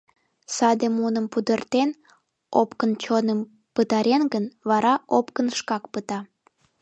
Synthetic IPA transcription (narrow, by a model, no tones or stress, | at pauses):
sɑd̪emunəmpud̪ərt̪en | opkənt͡ɕonəm | pət̪ɑɾenɡənβɑɾɑʔopkənʃkɑkpət̪ɑ